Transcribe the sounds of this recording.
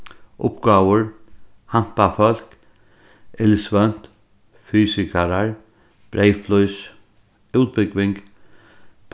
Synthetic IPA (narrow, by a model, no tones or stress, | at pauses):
ʔʊ̰pɡɑːwəɹ | ham̥pafœl̥k | ʔɪlsvœn̥t̪ | fyːsɪkaɾaɹ | b̥ɾejflɔjs | ʉːt̪̚bɪkʋɪŋk | pʰ